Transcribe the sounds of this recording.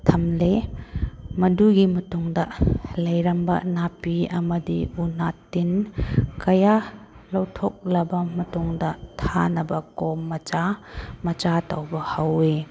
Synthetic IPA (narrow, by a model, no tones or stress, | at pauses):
tʰɐmle | mɐduɡimɐtuŋdɐlɐjɾɐmbɐ̰napiɐmɐdiunatːinkɐja | lɐwtʰok̚lɐbɐmɐtuŋdɐtʰanɐbɐkomːɐt͡ʃamɐt͡ʃatawbɐhɐwe